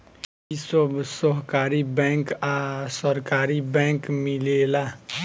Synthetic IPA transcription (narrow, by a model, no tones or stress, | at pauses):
isobsɔɦkaːɾibɛ̃ːŋkasəɾkaːɾibɛ̃ːŋkmɪleːlaː